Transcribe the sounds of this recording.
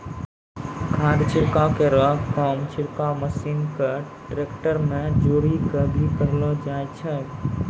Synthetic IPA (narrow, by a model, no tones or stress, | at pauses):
kʰãːd̪t͡ʃʰɪɾkakeɾəkɔmt͡ʃʰɪɾkaməsiːnke | ʈɾeːkʈəɾmẽd͡ʒoːɽikəbʱikəɦlɔd͡ʒaːɛt͡ʃʰɛ